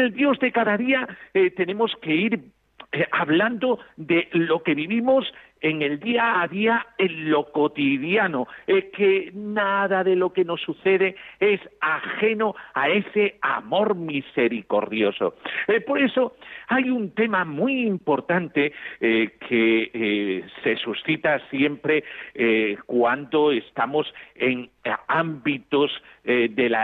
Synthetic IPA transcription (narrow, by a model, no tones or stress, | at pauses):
eld̪jo̞zðe̞kaðaðiaet̪e̞nẽ̞mo̞ske̞iɾ | ʔaβland̪o̞ðe̞lo̞ke̞βiβimo̞s | eŋeld̪iaːðiaenlo̞ko̞t̪iðjanoekenaðaðe̞lo̞ke̞no̞sːuθe̞ðe̞e̞saxe̞noae̞se̞amo̞ɾmise̞ɾiko̞ɾðjo̞so̞̰po̞ɾe̞so̞ajunt̪e̞mamwiːmpo̞ɾt̪ant̪e̞kʰe | se̞susθit̪asje̞mpɾe̞ | kwand̪o̞e̞st̪amo̞se̞ŋambit̪ozðe̞la